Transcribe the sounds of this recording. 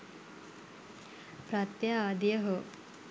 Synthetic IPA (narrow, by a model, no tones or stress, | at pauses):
pɾat̪jaaːd̪ijəɦo